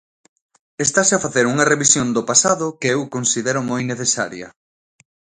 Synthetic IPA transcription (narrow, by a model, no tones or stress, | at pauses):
est̪aseafaθeɾuŋɐreβisjond̪ʊpasaðʊkeewkonsiðɛɾʊmojneθesa̰ɾjɐ̰